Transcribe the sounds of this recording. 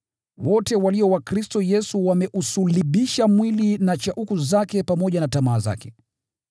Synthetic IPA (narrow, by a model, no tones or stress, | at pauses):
wɔtɛwaliɔwakɾistɔjɛsuwamɛʔusuliɓiʃamwilinat͡ʃaʔukuzakɛpamɔʄanatamaːza̰kɛ